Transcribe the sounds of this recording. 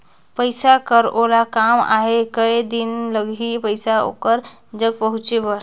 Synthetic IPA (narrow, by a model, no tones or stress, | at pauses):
pəjsakəɾolakama̰ɦekəjd̪inləɡipəjsao̰kəɾ | d͡ʒəɡ̚pəɦut͡ʃebəɾ